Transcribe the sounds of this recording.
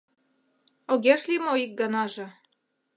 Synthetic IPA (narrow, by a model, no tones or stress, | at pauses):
oɡʲeʃlʲimoik̚ɡɑnɑʒɤ̆